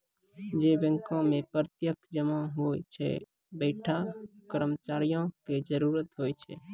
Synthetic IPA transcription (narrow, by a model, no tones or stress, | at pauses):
d͡ʒebə̃ŋkɔ̃mepəɾt̪jəkd͡ʒəmaɦojt͡ʃʰɛ̰ | bəɪʈʰakəɾmət͡ʃaɾijõked͡ʒəɾuɾət̪ɦojt͡ʃʰɛ̰